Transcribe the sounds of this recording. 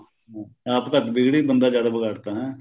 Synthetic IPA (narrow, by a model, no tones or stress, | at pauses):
ɦaːpkat̪bɪɡɽiːbənd̪aːd͡ʒjaːd̪aːbəɡaːʈt̪aːɦɛ̃ː